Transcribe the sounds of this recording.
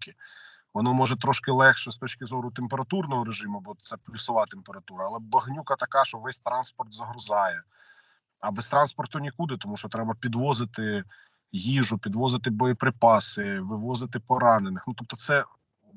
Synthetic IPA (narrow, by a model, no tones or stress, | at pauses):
kɪ | ʋɔnɔmɔʒɛt̪ɾɔʃkɪlˠɛxʃɛst̪ɔt͡ʃkɪzɔɾʊt̪empeɾɐt̪urnɔɦɔɾeʒɪmʊbɔt̪sɛplʲʊsɪlˠɑt̪empeɾɐt̪uɾɐːlˠɛbɐɦnʲukɐt̪ɐkɑʃt͡ʃɔʋɛsʲt̪ɾɑnspɔrt̪zɐɦɾʊzɑjɛ | ɐbɛst̪ɾɑnspɔrt̪ʊnʲikud̪ɪt̪ɔmuʃɔt̪ɾɛbɐpʲid̪ʋɔzɪt̪ɪ | jiʒʊpʲid̪ʋɔzɪt̪̬ɪbɔjɔpɾɪpɑsɪʋɪʋɔzɪt̪ɪpɔɾɑnenɪxnut̪ɔp̚t̪ɔt̪sɛ